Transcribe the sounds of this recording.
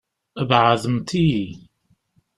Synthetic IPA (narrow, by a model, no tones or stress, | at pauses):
əbʕaðəmt̪i